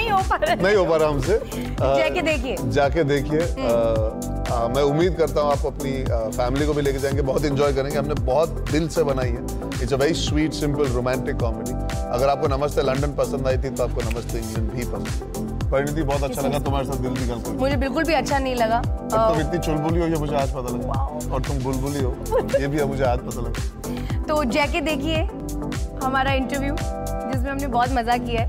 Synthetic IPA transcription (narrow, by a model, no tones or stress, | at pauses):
nɐɦĩɦoːpaɾnɐɦĩɦoːpaɾɛɦɐmse | d͡ʒaked̪eːkʰied͡ʒaːked̪eːkʰie | mɛ̃ʊmːiːd̪̚kɐɾt̪aɦũaːp̚koɐpnifɛːmɪlikobʱileːked͡ʒaːẽŋɡebɔɦːʊt̪̬ɪ̃ɲd͡ʒɔːjkɐɾẽːɡeɦɐmnebɔːʊt̪̚d̪ɪlsebɐnaːiɦɛː | ɪseʋɛɾiswiːʈsɪ̃mpəlɾoːmɛ̃ːɳʈɪkːɔːmeɖi | ɐ̰ɡəɾaːp̚konɐməst̪elɐ̃ɳɖənpɐsə̃nd̪aːit̪ʰit̪oaːp̚konɐməst̪ʰeɪ̃ŋɡlə̃ɳɖbʱipɐsə̃nd̪ | pɐɾɪnɪt̪̬ibɔːt̪̬ɐtːʃʰalɐɡat̪ʊmaːɾes̬aːt̪̚d̪ɪlbʱiɡɐlkɐɾmʊd͡ʒʱebɪlkʊlbʱiɐtːʃʰanɐɦĩlɐɡat̪ʊmɪt̪nit͡ʃʊlbuliɦojemʊd͡ʒʱeaːd͡ʒpɐt̪alɐɡ | ɔːɾt̪ʊmbʊlbʊliɦoːjeːbʱiɐmʊd͡ʒʱeaːd̪̚pɐt̪alɐɡa | t̪oːd͡ʒɛːked̪eːkʰie | ɦɐmaːɾaɪ̃ɳʈəɾʋjuːd͡ʒɪsmẽɦɐmnebɔːt̪mɐzakijaɦɛː